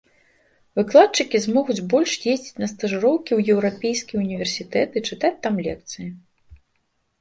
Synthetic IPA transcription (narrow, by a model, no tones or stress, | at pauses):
vɨklˠat̪̚t͡ʂɨkʲizmɔɣud͡zʲbɔlʲʂjezʲd͡zʲit͡sʲnɐst̪ɐʐɨɾɔwkʲiwjɛwɾapʲejskʲijunʲivʲɛrsʲit̪ɛt̪ɨt͡ʂɨt̪at͡sʲt̪amlʲɛkt̪sɨji